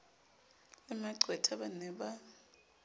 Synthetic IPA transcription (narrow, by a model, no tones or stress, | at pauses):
ɛmaɡ͡ǀʱwɛtʰaɓanɛɓa